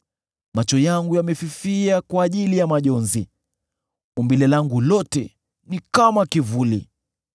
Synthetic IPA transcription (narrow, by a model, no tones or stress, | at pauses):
mat͡ʃɔjaŋɡujamɛfifiakwaːʄilijamaʄɔnzi | umbilɛlaŋɡulɔtɛ̰ | nikamakivulḭ